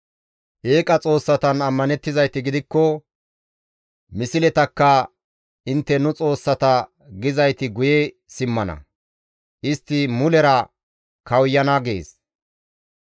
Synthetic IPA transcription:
ʔeːkʼɐt͡sʼo̞ːsːɐt̪ɐnɐmːɐnɛt̪ːɪzɐjt̪ɪɡɪd̪ɪkːɔ | mɪsɪlɛt̪ɐkːɐ | ɪnt̪ːɛnʊt͡sʼo̞ːsːɐt̪ɐ | ɡɪzɐjt̪ɪɡʊjɛ | sɪmːɐnɐ̰ | ʔɪst̪ːɪmʊlɛɾɐ | kʰɐwjːɐnaɡḛːs

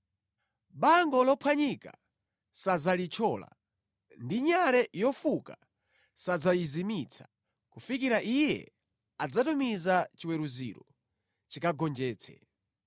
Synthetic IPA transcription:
ɓaŋɡɔlɔpʰwaɲika̰ | sazalit͡ʃʰɔːla̰ | ndiɲaɾɛjɔfuka | sad͡zajizimit͡sʰḁ | kufikiɾaʔijɛ̰ | ad͡zatumizat͡ʃiwɛɾuzḭɾɔ̰ | t͡ʃikaɡɔnd͡ʒɛːt͡sʰɛ̰

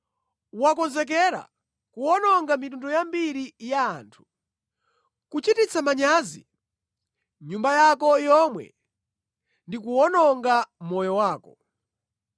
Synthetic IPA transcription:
wakɔnzɛk̬ɛɾa̰ | kuɔnɔŋɡamitundɔjambiɾijaːntʰu̥ | kut͡ʃitit͡sʰamaɲazi | ɲumbajakɔjɔmwɛ̰ | ndikuwɔnɔŋɡamɔjɔwaːkɔ

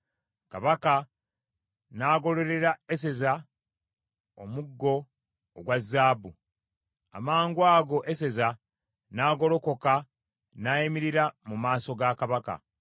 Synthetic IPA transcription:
kaβaka | naːɡo̞le̞ɾe̞ɾae̞se̞za | omuɡːo̞ː | ɡwazːaːbu | a̰maːŋɡwaːɡo̞ʔese̞za | naːɡo̞lo̞ko̞ka | naːjemiɾiɾamumaːso̞ɡakaβaka̰

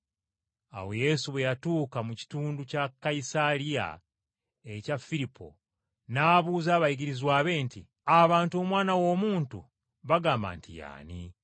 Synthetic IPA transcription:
a̰wo̞je̞suβwejatuːkamuci̥tuːnducakːaisalija̰ | ecafiɾipʰo̞̰ | naːβuːzaːβajiɡiɾizwaːβe̞ntḭ | aβaːntuo̞ːmwaːnawo̞ːmuːntṵ | βaɡaːmba̰ntḭja̰ːnḭ

